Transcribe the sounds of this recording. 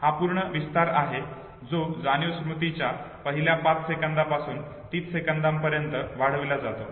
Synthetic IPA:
hapuɾɳəʋist̪aɾaɦe | d͡zod͡zanjusmut̪it͡ɕja | pəɦiljapat͡ssekand̪apasuːn | t̪iːt͡ssekand̪ampəɾjənt̪əʋaɽ̤əʋlad͡zat̪o

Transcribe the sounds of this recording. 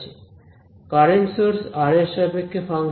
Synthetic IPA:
t͡ɕʰi | kaɾeɳʈsoɾsaɾeʃabekʰːefaŋ

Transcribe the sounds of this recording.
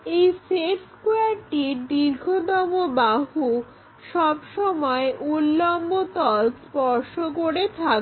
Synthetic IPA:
ejseʈskuaɾʈid̪iɾɡʱod̪ɔmobaɦu | ʃɔbʃɔmɔeʔulːɔmbot̪ɔlspɔɾʃokoɾet̪ʰak

